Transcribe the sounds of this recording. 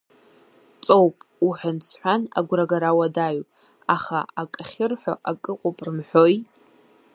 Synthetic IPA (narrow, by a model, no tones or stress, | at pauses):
t͡sʼowpʼuħʷᶣansʰħʷana̰ɡʷraɡaɾawadaɥpʼ | aχa̰akʼχʲɪrħʷo̰ʔakʼɨqʷʼʊpʼrɨmħʷoj